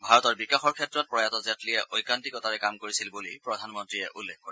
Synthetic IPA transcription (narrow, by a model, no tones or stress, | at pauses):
bʱaɹɔtɔɹbikaxɔɹkʰɛtɹɔt̚pɹɔjatɔzatlijɛʔʔojkantikɔtʰaɹɛkamkoɹisilbulipɹɔdʱanmɔntɹiɛʔulːɛkʰkoɹi